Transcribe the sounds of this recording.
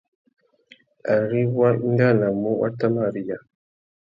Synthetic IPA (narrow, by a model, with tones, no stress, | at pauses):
a˨ɾi˦wa˦ŋ˦ɡa˦˨na˨mu˦wa̰˦tːa˦ma˦˨ɾi˦ja˨